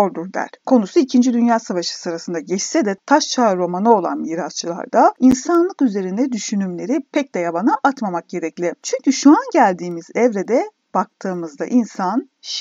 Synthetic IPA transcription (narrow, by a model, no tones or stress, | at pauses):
oɾd̪uɾd̪æ̰ɾ̥kʰo̞nusuicʰind͡ʒid̪ynjaːsavaʃɯ̥sɯɾasɯnd̪aɟɛt͡ʃsɛd̪ɛt̪ʰaʃt͡ʃʰaɾo̞manɯo̞lˠa̰nmiːɾast͡ʃʰɯlˠa̰ɾd̪ainsanlˠɯkyze̞ɾind̪ɛd̪yʃynymlʲe̞ɾipʰɛc̚d̪ɛjabanɯʔat̪mamak̚ɟe̞ɾɛclʲɪt͡ʃʰyɲcyʃuanɟælʲd̪iːmizɛvɾed̪ɛ | b̥ak̚t̪ʰɯːmɯzd̪a̰ʔinsan | ʃ